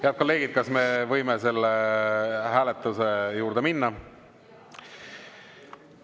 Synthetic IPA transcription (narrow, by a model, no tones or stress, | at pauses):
heɑd̪̚ko̞lːe̞ːɡid̪̥̚kɑsme̞vɤjme̞se̞lːe | ɦæːlet̪ːˑuse̞juːɾd̪̥e̞minːɑ